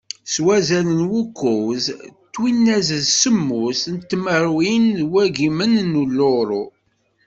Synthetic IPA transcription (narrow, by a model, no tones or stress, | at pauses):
swæzælənwukːʊwzt̪ːwinːæzəðsəmːʊsnt̪ːməɾwinwæɡimənnulːoɾˤu